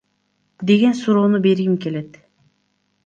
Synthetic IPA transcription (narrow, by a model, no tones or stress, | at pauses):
d̪e̞ɡʲensuɾoːnube̞ɾɡimke̞let̪